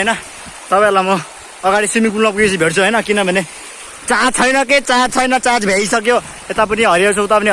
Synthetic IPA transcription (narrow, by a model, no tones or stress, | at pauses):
jnʌ | t̪ʌpãelamʌː | ɡaɽisimikulmʌp̬uɡisibʱeʈt͡sʰuɦʌjnʌkinʌbʱʌne | t͡sat͡sʰʌjnʌket͡sat͡sʰʌjnʌt͡sad͡zbʱejsʌkjo | et̪ap̬ʌniɦʌɾiawt͡sʰut̪apʌni